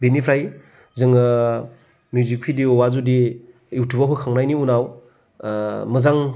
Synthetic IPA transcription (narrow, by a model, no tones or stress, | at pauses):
benipʰɾaj | zɯŋ | mjuzik̚pʰidiɔwazudi | iwtʰubaɦukʰaŋnajniunaw | mɐzaŋ